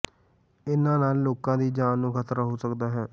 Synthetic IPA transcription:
ɪnãːnaːlːoːkãːd̪iːd͡ʒaːnːũːkʰət̪ɾaɦoːsəkd̪aːɦɛː

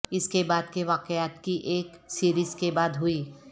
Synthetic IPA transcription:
ɪskebaːd̪keʋaːqjaːt̪kiʔeːksiːɾiːzkebaːd̪ɦʊiː

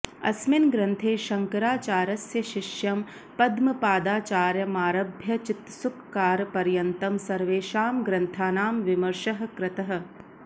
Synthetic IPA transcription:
ɐ̰smɪnɡɾɐnt̪ʰeːʃɐŋkɐɾaːt͡ʃaːɾɐsjɐʃɪʃjɐm | pɐd̪mɐpaːd̪aːt͡ʃaːɾjɐmaːɾɐbʱjɐt͡ʃɪt̪sukːaːɾpɐɾjɐnt̪ɐmsɐɾʋeːʃaːmɡɾɐnt̪ʰaːnaːmʋɪmɐɾʃɐɦɐ̆kɾɪt̪ɐɦɐ̆

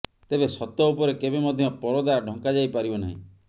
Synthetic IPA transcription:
t̪ebesɔt̪ɔupɔɾekebemɔd̪ʱjɔpɔɾɔd̪aɖʱɔ̃ŋkad͡ʒajpaɾibona̰ɦḭ̃

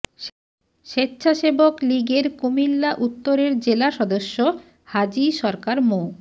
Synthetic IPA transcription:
ʃetːɕʰaʃebokliɡeɾkumilːaʔut̪ːoɾeɾd͡ʑelaʃɔd̪oʃːo | had͡ʑiʃɔɾkaɾmo

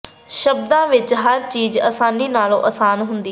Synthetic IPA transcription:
ʃəbd̪ãːʋɪt͡ʃɦəɾt͡ʃiːzə̰ːsaːniːnaːlõ̰ːʔəːsaːnɦʊnd̪iː

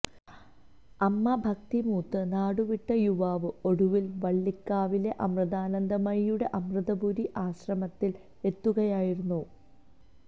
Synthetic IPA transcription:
ɐmːɐbʱɐk̚t̪imuːt̪ːɨnaːɽuʋiʈːɐjuʋaːʋɨo̞ɽuʋilʋɐɭːikːaːʋile̞ʔɐmrɨðaːnɐnd̪ɐmɐɻijuɽe̞ʔɐmrɨðɐbuɾiʔaːɕrɐmɐt̪ːil | e̞t̪ːuɣɐjaːjiɾunːu

